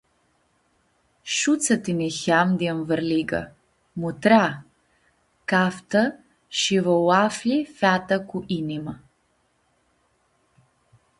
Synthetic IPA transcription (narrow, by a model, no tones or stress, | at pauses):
ʃut̪sat̪inixamd̪ianvəɾliɡa̰ | mut̪ɾa | kaft̪a | ʃivɔwaflifat̪akuʔinima